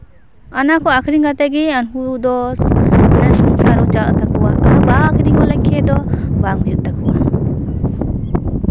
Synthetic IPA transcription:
anakʰɔakʰɾiŋɡat̪aɡeanɦud̪ɔsanasuŋsaɾɔt͡ʃa̰t̪akʰɯwa̰ʔa̰ɾɔbaŋakʰɾiŋɔlakʰːɛd̪ɔbaŋujut̪akʰuwa

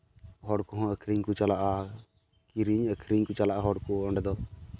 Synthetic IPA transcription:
ɦɔɽkɔɦɔ̃əkʰɾiɲkut͡ʃalaʔa | kiɾiɲəkʰɾiɲkut͡ʃalaʔaɦɔɽkuɔɳɖɛd̪ɔ

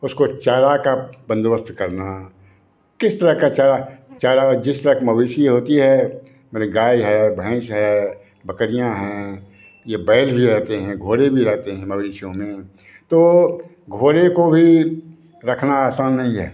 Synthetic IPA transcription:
ʊskot͡ʃaːɾakabə̃nd̪bəst̪kɐɾna | kɪst̪əɾəɦkat͡ʃaːɾat͡ʃaːɾad͡ʒɪst̪əɾəɦkmɐʋiːʃiɦoːt̪iɦɛ | meɾeɡaːiɦɛbʱɛ̃ːʃɦɛ | bɐkəɾijãɦɛ̃ː | jebɛːlbʱiɾɛɦt̪eɦɛ̃ɡʱoːɾebʱiɾɛɦt̪eɦɛ̃mɐʋiːʃjõmẽ | t̪o | ɡʱoːɾekobʱi | ɾɐkʰnaaːsaːnːɐɦĩɦɛ̰ː

